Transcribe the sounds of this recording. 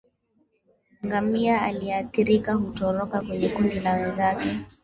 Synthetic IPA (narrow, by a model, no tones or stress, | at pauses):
ŋɡamiaaliaθiɾikahutɔɾɔkakwɛɲɛkundilawɛnzakɛ